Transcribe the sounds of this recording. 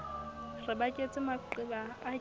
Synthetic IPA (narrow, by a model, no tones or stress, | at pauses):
rɪbakʼet͡sʼɪmaǃɪbaː